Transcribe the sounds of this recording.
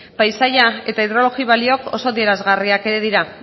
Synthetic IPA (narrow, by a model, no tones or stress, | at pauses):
pajsajae̞t̪aiðɾo̞lo̞ɣiβ̞alio̞ko̞̰so̞ðie̞ɾazɣariake̞ɾe̞ðiɾa